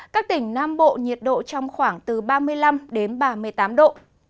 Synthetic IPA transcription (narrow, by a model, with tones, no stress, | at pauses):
kaː˦˥k̚t̪ï˧˩ŋ̟naː˧mɓo̰˧˨ɲi˨˩ət̚ɗo̰˧˨t͡ɕɔ˧wŋ͡mxwaː˧˩ŋt̪ɨ˨˩ɓaː˧mɨ˧əjla˧mɗe˨˦nɓaː˧˩mɨ˧˩əjt̪aː˨˦mɗo̰˧˨